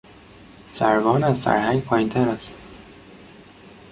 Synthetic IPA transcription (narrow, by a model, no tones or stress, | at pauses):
sæɾvɒːnæzsæ̰ɾhæŋɡpʰɒːjint̪ʰæɾæs